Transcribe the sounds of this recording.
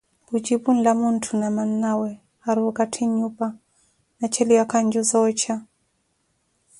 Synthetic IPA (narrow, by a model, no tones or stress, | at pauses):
bud͡ʒibun̩lamuntʰunamanːawɛ | haɾukatʰiɲupa | nat͡ʃɛliwakaɲd͡ʒuzɔt͡ʃa